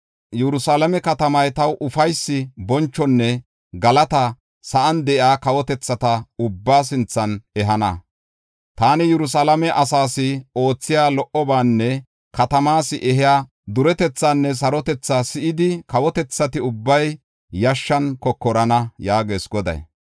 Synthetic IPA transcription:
jɛɾʊsaːlɐmɛkɐt̪ɐmɐjt̪ɐwʔʊfɐjsːɪbɔnt͡ʃːɔnːɛ | ɡɐlɐt̪ɐ | sɐʔɐnd̪ɛʔɪaːkɐwɔt̪ɛt͡sːɐt̪ɐʊbːaːs̬ɪnt͡sːɐnɛɦɐnɐ̰ | t̪aːnɪjɛɾʊs̬aːlɐmɛʔɐsaːsɪo̞ːt͡sːɪjaːlɔʔɔbaːnːɛ | kɐt̪ɐmaːsɪʔɛɦɪjaː | d̪ʊɾɛt̪ɛt͡sːaːnːɛs̬ɐɾɔt̪ɛt͡sːasɪʔɪd̪ɪkɐwɔt̪ɛt͡sːɐt̪ɪʊbːɐj | jɐʃːɐnkɔkːɔɾɐnɐjaːɡeːsɡɔd̪ɐ̰j

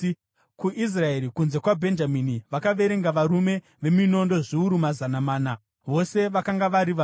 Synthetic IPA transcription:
kuʔis̬rae̞ɾikunze̞kwabʱe̞nd͡ʒaminiʋakaʋe̞ɾe̞ŋɡaʋaɾume̞ | ʋe̞mino̞ndo̞ʐiuɾumazanamaːna | ʋo̞se̞ʋakaŋɡaʋaɾiʋa

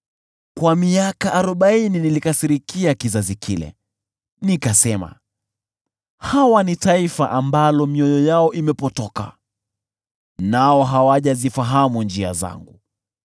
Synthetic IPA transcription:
kwamiakaʔːɾɔɓaininilikasiɾikiakizazikʰilɛ̰ | nikasɛma̰ | hawanitaifaʔambalɔmiɔjɔjaɔʔimɛpɔtɔka̰ | naɔɦawaʄazifaɦamund͡ʒia̰za̰ŋɡu

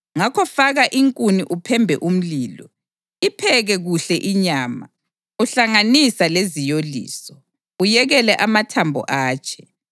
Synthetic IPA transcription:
ŋakʰɔfaɣaʔiŋkʼuniʔupʰɛmbʱɛ̰ʔum̩liːlɔ | ipʰɛɣɛɣuɬɛʔiɲaːma̰ | uɬaŋanisalezijolḭːsɔ | ujɛɣɛlɛʔamatʰambʱɔ̰ʔaːt͡ʃʰɛ̥

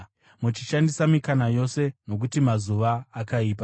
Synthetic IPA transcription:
mut͡ʃiʃandisamikanajo̞se̞no̞k̬utimazuʋaːkaiːpa

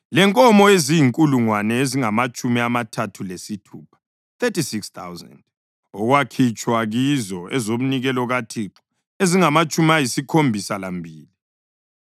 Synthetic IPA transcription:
lɛŋkʼɔmɔezijiŋkʼuluŋwanɛeziŋamat͡ʃʼumiamatʰatʰulesitʰuːpʰḁ | t̪etisikst̪a̰wza̰nd | ɔɣwakʰit͡ʃʼwaɣizɔɛzoβuniɣɛlɔɣatʰiǁɔ̥ | eziŋamat͡ʃʼumiajisikʰombʱisalambʱiːli

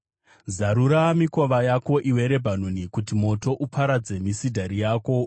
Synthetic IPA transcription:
zaɾuɾamiko̞ʋajako̞ʔiwe̞ɾe̞bʱan̤unikutimo̞to̞ʔupʰaɾad͡ze̞misidʱaɾijaːko̞

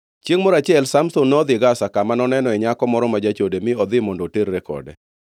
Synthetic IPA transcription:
t͡ʃjeŋmɔɾat͡ʃɪɛlsamsʊnːɔd̪ɪɡasakamanɔnɛnɔɛɲakɔmɔɾɔmad͡ʒat͡ʃodemɪɔd̪ɪmɔndɔteɾːɛkɔ̰dɛ̰

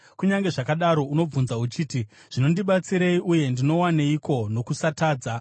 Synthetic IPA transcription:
kuɲaŋɡe̞ʐakaɗaɾo̞uno̞b͡vunzaut͡ʃiːti | ʐ̥ino̞ndiɓat͡siɾeiʔuje̞ndino̞waneiko̞no̞kusataːd͡za

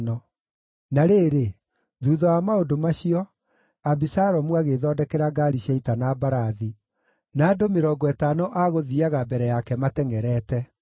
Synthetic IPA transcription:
nɔ | naɾeːɾe | ðuːðɔwamaodomaɕiɔ | abisaɾɔmwaɣeðɔːdɛkɛɾaɡaɾiɕaitanabaɾaði | naːdomeɾɔːɡɔɛtanɔʔaɣoðiaɣabɛɾɛjakɛmatɛŋɛɾɛːtɛ

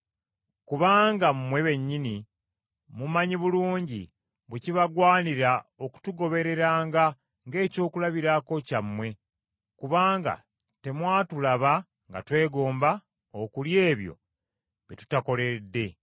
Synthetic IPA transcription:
kuβaːŋɡammwe̞βe̞ɲːini | mumaɲiβuluːɲɟi | βweciβaɡwaːniɾao̞ku̥tuɡo̞βe̞ɾe̞ɾaːŋɡa | ŋɡe̞ːco̞ːkulaβiɾako̞camwe̞ | kuβaːŋɡa̰ | te̞mwaːtulaβa | ŋɡa̰twe̞ːɡo̞ːmba | okulje̞ːβjo̞̰ | βitu̥tako̞le̞dːe̞

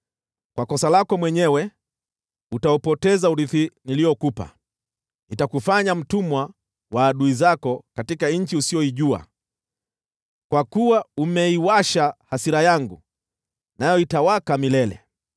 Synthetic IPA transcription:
kwakɔsalakɔmwɛɲɛwɛ | utaɔpɔtɛzauɾiθinilijɔkupa̰ | nitakufaɲam̩tumwa | waːɗuizakɔkatikaɲ̩t͡ʃiusiɔiʄua̰ | kwakuwaumɛiwaʃahasiɾajaŋɡu | najɔitawakamilɛlɛ̰

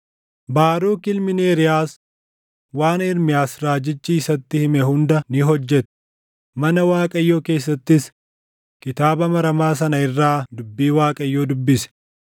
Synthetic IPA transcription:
baːɾuːkɪlmɪneːɾɪjaːs | waːnɪɾmɪjaːsɾaːd͡ʒɪt͡ʃːiːsɐt̪ːɪhɪmɛhʊnd̪ɐnɪɦɔd͡ʒːɛt̪ɛ̥ | mɐnɐwaːkʼɐjːoːke̞ːs̬ːɐt̪ːɪs | kɪt̪aːbɐmɐɾɐmaːs̬ɐnɐɪrːaːd̪ʊbːiːwaːkʼɐjːoːd̪ʊbːɪsɛ̥

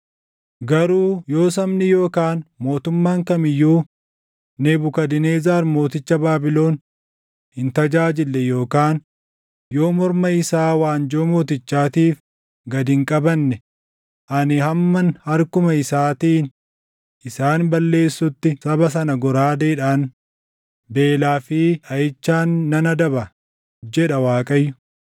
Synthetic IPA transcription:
ɡɐɾuːjo̞ːs̬ɐmnɪjo̞ːkaːnmo̞ːt̪ʊmːaːŋkɐmɪjːuː | nebʊkɐd̪ɪneːzaːɾmo̞ːt̪ɪt͡ʃːɐbaːbɪlo̞ːn | hɪnt̪ɐd͡ʒaːd͡ʒɪlːɛjo̞ːkaːn | jo̞ːmɔɾmɐɪsaːwaːnd͡ʒoːmo̞ːt̪̬ɪt͡ʃːaːt̪iːf | ɡɐd̪ɪŋkʼɐbɐnːɛ | ʔɐnɪhɐmːɐnhɐɾkʊmɐɪsaːt̪iːn | ʔɪsaːnbɐlːe̞ːsːʊt̪ːɪsɐbɐs̬ɐnɐɡɔɾaːd̪eːᶑaːn | be̞ːlaːfɪːʔɐjɪt͡ʃːaːnːɐnɐd̪ɐbɐ | d͡ʒɛᶑɐwaːkʼɐjːʊ̥

